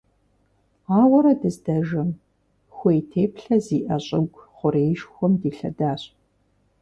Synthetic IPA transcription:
aːwɐɾɐdɨzdɐʒɐm | xʷejtʰeːpɬɐziːʔɐɕʼɪɡʷχʷʊɾeːjʃxʷɔmdiːɬɐ̰daːɕ

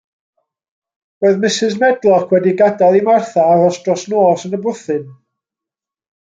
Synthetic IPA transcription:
b̥oːɨðmɪsɨzmɛdlˠɔkʰwɛdiɡadalˠimarθaaɾɔsd̥rɔsnoːsənəbʊθɨn

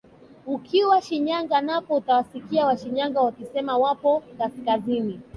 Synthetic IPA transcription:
ukʰiwaʃiɲaŋɡanapɔutawasikiawaʃiɲaŋɡawakisɛmawapɔkaskazini

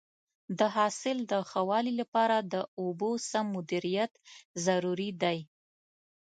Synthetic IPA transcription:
d̪əɦɑsɪld̪əxawɑlilapɑɾad̪əobosamːʊd̪iɾijat̪zaɾuɾid̪aj

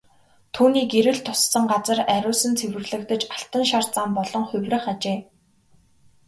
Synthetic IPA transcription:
t̪ʰuːniːkeɾɘ̆ɮt̪ʰʊ̥sːə̆ŋɢat͡sə̆ræɾʲʊːsɵ̆nt͡sʰewɘ̆rɮɘ̆kt̪ə̆t͡ɕḁɬt̪ə̆nʃart͡saːmpɔɮɞ̆ŋχʊwʲrɘ̆χat͡ɕeː

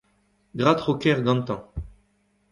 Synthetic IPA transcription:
ɡʁat̪χokɛʁɡɑ̃nt̪ɑ̃

